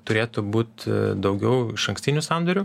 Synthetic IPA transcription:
t̪ʊɾʲeːt̪ʊbuːt̪d̪ɐʊɡʲɛʊɪʃɐŋksʲt̪ʲɪnʲuːsɑnd̪ɐɾʲu

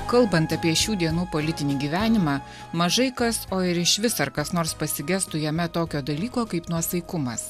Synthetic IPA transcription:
kɐlˠbɐnt̪ɐpʲiɛʃʲuːd̪ʲiɛnuːpoːlʲɪt̪ʲɪnʲiːɡʲiːʋʲæːnʲɪmɑː | mɐʒɐɪkɐsoːɪɾɪʃʋʲɪsɐɾkɐsnoːɾspɐsʲɪɡʲæst̪ʊjɛmʲɛt̪oːkʲoːd̪ɐlʲiːkoːkɐɪpnuɔsɐɪkʊmɐs

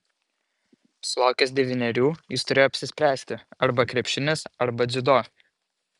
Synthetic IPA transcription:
sʊlˠɑˑʊkʲɛs̬d̪ʲɛʋʲɪnʲɛɾʲuːjɪst̪ʊɾʲeːjoɔːpʲsʲɪsʲpʲɾʲæːsʲt̪ʲɪɐɾbɐkɾʲɛpʲʃʲɪnʲɛsɐɾbɐd̪zʲʊd̪oː

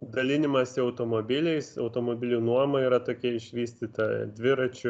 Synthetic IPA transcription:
d̪ɐlʲɪnʲɪmɐsʲɪɒʊt̪oːmoːbʲɪlʲɛɪsɐʊt̪oːmoːbʲɪlʲunuɔmɐiːɾɐt̪oːkʲɛɪʃʲʋʲiːsʲt̪ʲiːt̪ɐd̪ʲʋʲɪɾɐt͡ʃʲʊ

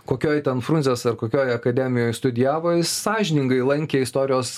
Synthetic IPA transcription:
koːkʲoːjt̪ʲɛnfɾunʲzʲeːsɐrkoːkʲoːjɐkɐd̪ʲɛmʲɪjoːjst̪ʊd̪ʲɪjæːʋoːjɪssɑːʒʲɪnʲɪŋɡɐɪlˠɐŋʲkʲeːɪst̪oːɾʲɪjoːs

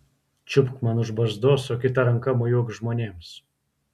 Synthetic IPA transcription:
t͡ʃʲʊpkmɐnʊʒbɐzd̪oːsɔkʲɪt̪ɐɾɐŋkɐmojuɔkʒmoːnʲeːms

